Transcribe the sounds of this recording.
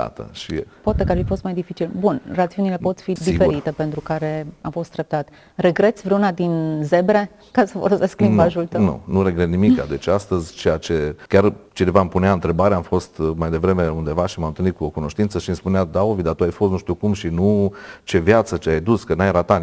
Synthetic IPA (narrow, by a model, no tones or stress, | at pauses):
a̰t̪ə̰ʃipoat̪e̞kaɾrfifo̞st̪majd̪ifit͡ʃilbunrat̪siunile̞po̞t̪sʲfid̪ife̞ɾit̪e̞pe̞nt̪ɾukaɾe̞afo̞st̪ɾep̚t̪at̪ | re̞ɡɾe̞t̪sʲvɾeunad̪inze̞bɾe̞ | kasəfolose̞sklimbaʒult̪ənw̪ṵnuɾe̞ɡɾet̪nimikːa̰d̪e̞t͡ʃast̪əzʲt͡ʃejat͡ʃe̞kʲart͡ʃinevampuneaɨnt̪ɾe̞baɾeamfo̞st̪majd̪e̞vɾe̞me̞und̪e̞vaʃimamnt̪ɨlnit̪̚kuokuno̞ʃt̪int̪səʃinspunead̪aovid̪at̪uajfo̞st̪nuʃt̪iukumʃinut͡ʃe̞vjat̪sət͡ʃeajd̪uskənajɾat̪a